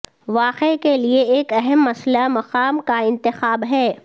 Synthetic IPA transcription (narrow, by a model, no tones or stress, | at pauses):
ʋaːqekelieeːkɐɦɛmːɐslamɐqaːmkaɪ̃nt̪ɪxaːbɦɛː